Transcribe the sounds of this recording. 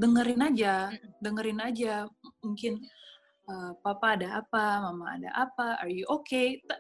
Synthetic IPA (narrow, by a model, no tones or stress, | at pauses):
dəŋəɾɪnad͡ʒadəŋəɾɪnad͡ʒamuŋkɪn | əpapaːdaapamama̰ːda̰ʔapaʔarjuʔoket̪a